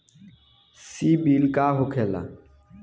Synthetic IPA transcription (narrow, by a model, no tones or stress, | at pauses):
siːbiːlkaːɦokʰeːla̰ː